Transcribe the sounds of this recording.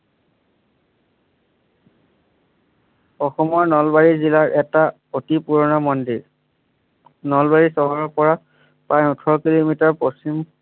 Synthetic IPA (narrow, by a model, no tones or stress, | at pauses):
ɔxɔmɔɹnɔlbaɹizilaɹʔɛta | otipuɹɔnɔmɔndiɹ | nɔlbaɹisɔɦɔɹɔɹpɔɹa | pãjutʰɔɹɔkilomitaɹpost͡ʃim